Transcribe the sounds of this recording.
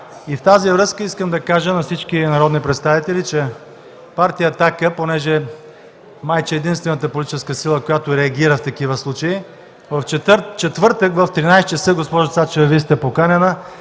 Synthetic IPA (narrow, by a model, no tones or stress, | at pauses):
ift̪azivɾɤskəiskəmd̪ɐkaʒənɐfsit͡ʃkinɐɾɔd̪nipɾɛt̪st̪avit̪ɛlit͡ʃɛ | paɾt̪ijət̪akəponɛʒɛ | majt͡ʃɛɛd̪inst̪vɛnət̪əpolʲit̪it͡ʃɛskəsilˠəkojat̪ʊɾɛɐɡʲiɾəft̪ɐkivəslˠut͡ʃɐi | vɐfɛt͡ʃɛt̪vɤɾt̪əkvəft̪ɾinajst͡ʃəsəɡospɔʒəsat͡ʃɛvɐvist̪ɛpokanʲɛnə